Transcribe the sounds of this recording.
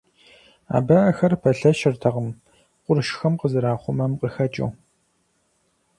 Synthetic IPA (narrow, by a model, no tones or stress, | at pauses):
a̰ːbɐʔɐxɐrpʰɐɬɐʃɪrtʰɐʁəm | qʷʊɾʃxɐmqəzɨɾaːχʷʊmɐmqəxɐt͡ʃʼɐ̰w